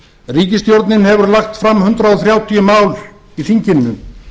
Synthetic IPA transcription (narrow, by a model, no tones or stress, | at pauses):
riːcɪst̪jowɾt̪nɪnhɛvʏɾlaxt̪fɾamːhʏnt̪ɾaɔθɾjaːwt̪ʰijʏmaːwl | iθiɲcɪnːʏm